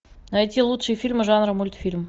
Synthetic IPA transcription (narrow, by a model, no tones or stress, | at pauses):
nɐjtʲilˠut̪ʂɨjfʲilʲmɨʐanɾəmulʲt̪fʲilʲm